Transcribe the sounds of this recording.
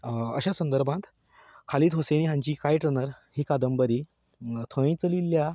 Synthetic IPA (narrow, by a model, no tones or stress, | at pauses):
ə̰ɕasənd̪əɾbʱãt̪ | kʰaliːt̪ɦoseñiːɦãɲt͡ɕiːkajʈɾənəɾ | hiːkad̪əmbəɾiː | t̪ʰə̃ĩt͡səlilːja